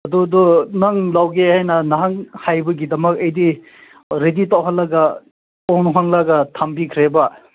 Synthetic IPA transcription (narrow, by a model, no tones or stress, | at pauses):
ɐdudɔnɐŋlawɡehajnɐnɐɦaŋhajbɐɡidɐmɐkɐjdi | ɾeditawɦɐlːɐɡɐ | ɔnɦaŋlɐɡɐtʰambikʰɾebɐ